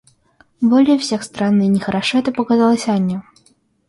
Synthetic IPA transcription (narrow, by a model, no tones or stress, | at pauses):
bɔlʲɛwsʲɛxst̪ɾanːɨinʲɛxɐɾaʂɔɛt̪ɐpɐkazalˠɐsʲɐanʲːɐ